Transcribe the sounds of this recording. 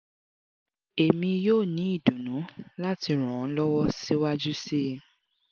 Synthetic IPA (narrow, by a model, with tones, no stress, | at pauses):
e˨mĩ˧joː˦˨nĩ˨˦i˦˨du˨nũ˨˦la˦ti˧ɾ̃ɔ̃˨˦lɔ˦wɔ˦si˦wa˦d͡ʒu˦si˦